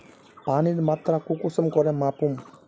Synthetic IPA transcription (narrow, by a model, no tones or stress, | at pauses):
paniɾmat̪ɾakukusəmkɔɾɛmapum